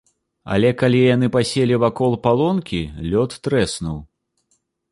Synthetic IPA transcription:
a̰lʲɛkalʲijan̪ɨpasʲelʲivakɔlˠpalˠɔnkʲilʲɔt̪ːɾɛsnuw

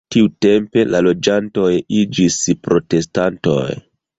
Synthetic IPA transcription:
tiute̞mpe̞lalo̞d͡ʒanto̞jid͡ʒispɾo̞te̞stanto̞̰j

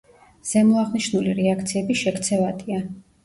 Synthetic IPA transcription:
z̥ɛmuaʁniʃnuliɾɛakʰt̪sʰiɛbiʃɛkʰt̪sʰɛvad̪ʼia

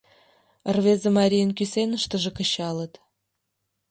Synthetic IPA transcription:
ərβezemɑɾʲijənkysenəʃt̪ə̆ʒĕkəɕɑlə̆t̪

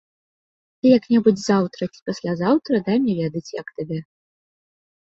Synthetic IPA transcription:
t̪ɨjɐknʲɛbud͡zʲzawt̪ɾɐt͡sʲi̥pasʲlʲazawt̪ɾɐd̪ajmʲɛvʲɛd̪ɐt͡sʲjɐkt̪abʲɛ

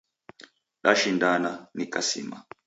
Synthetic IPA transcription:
ɗaʃindananikasḭma̰

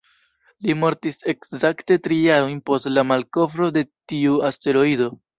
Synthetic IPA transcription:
limo̞ɾtise̞kzakte̞tɾijaɾo̞jnpo̞stlamalko̞fɾo̞de̞tiuaste̞ɾo̞ido̞

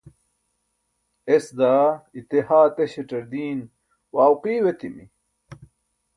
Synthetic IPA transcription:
esd̪aːit̪ehaːt̪eɕeʈɐɾd̪iːn | waːwqiːwet̪imḭ

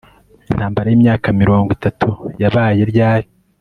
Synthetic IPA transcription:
in̥haːmbaɾajiːmɲaːkamiɾo̞ːŋɡwitatʰujaβaːje̞ɾɟaːɾi

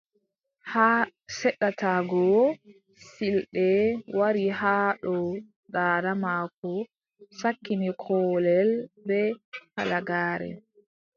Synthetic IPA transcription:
hasɛɗːataɡɔ | silɗɛwaɾihaːɗɔ | ɗaːɾamaːkɔ | sakːinikʰɔːlɛlbɛha̰laɡaːɾɛ̰

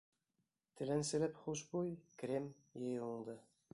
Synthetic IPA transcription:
t̪ɘ̆lænsɘ̆læpχuʃbujkrʲem | jɤjuɴd̪ɤ

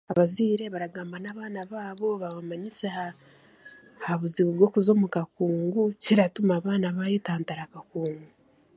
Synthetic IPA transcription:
aβaziːɾe̞βaɾaɡaːmbanaːβaːnaβaːβo̞βaβamaɲiseha | haβuziβuɾɡo̞ːkuzo̞ːmukakuːŋɡuciɾatumaːβaːnaβaːjetaːntaɾakakuːŋɡu

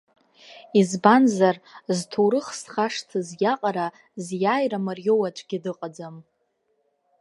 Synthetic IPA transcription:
izbanzarztʰowɾɨχsχaʂtʰɨzjʲaqʼaɾa | zjaːjramarjo̞wat͡ʃʷʼɡʲɪdɨqʼad͡zam

